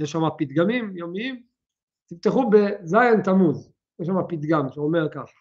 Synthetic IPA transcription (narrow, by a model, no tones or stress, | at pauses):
jeʃːamapit̪ɡamimjomiim | t̪ift̪eχubezajent̪amuz | jeʃ̬amapit̪ɡamʃeomeʁkaχḁ